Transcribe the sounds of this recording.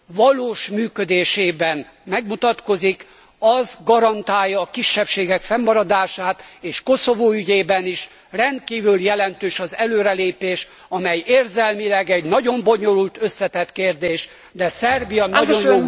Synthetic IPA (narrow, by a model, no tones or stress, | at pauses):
vɒloːʃmyːkød̪eːʃeːbɛn | mɛɡmut̪ɒt̪ko̞zik | ɒzɡɒɾɒnt̪aːjːɒːkiʃːɛpʃeːɡɛkfɛmːɒɾɒd̪aːʃaːt̪eːʃko̞so̞voːyɟeːbɛniʃ | rɛnt̪̚kiːvyljɛlɛnt̪øːʃɒzɛløːɾɛleːpeːʃ | ɒmɛjeːrzɛlmilɛɡɛɟnɒɟo̞mbo̞ɲo̞lult̪ø̞sːɛt̪ɛt̪keːrd̪eːʃ | d̪ɛsɛrbijɒnɒɟoŋ